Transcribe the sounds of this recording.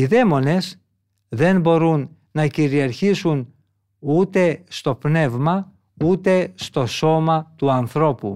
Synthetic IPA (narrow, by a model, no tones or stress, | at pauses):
iðe̞mo̞ne̞s | ðe̞nbo̞ɾunː | ɐciɾiɐɾçisun | ut̪e̞st̪o̞pne̞vmɐ | ut̪e̞st̪o̞so̞mɐt̪uɐnθɾo̞pṵ